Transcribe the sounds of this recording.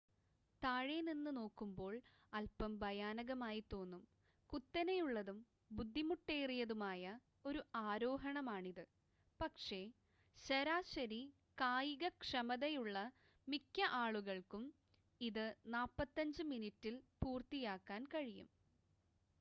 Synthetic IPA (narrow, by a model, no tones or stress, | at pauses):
t̪aːɻeninːɨno̞ːkːumbo̞ːɭ | ɐlpɐmbʱɐjaːnɐɣɐmaːjit̪o̞ːnːum | kut̪ːɐnejuɭːɐðum | bud̪ʱːimuʈːeːjrijɐðumaːjɐ | o̞ɾuʔaːɾo̞ːɦɐɳɐmaːɳiðɨ | pɐkʂe̞ | ɕɐɾaːɕɐɾi | kaːjiɣɐkʂɐmɐðɐjuɭːɐ | mikʲːɐʔaːɭuɣɐɭkum | iðɨnaːpːɐt̪ːɐɲd͡ʑɨminitːilpuːrt̪ijaːkːaːnkɐɻijṵm